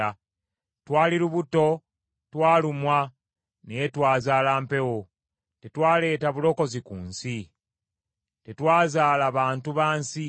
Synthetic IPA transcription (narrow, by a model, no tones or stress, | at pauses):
a | twaːliluβuto̞ | twaːlumwa | nejetwaːzaːlaːmpe̞wo̞ | te̞twaːle̞ːtaβulo̞ko̞zikuːnsi | te̞twaːzaːlaβaːntuβaːnsi